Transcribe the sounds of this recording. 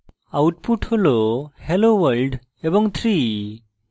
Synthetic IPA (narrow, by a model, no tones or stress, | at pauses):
awʈ̚puʈholohelowəlɖ | ebɔŋt̪ʰɾi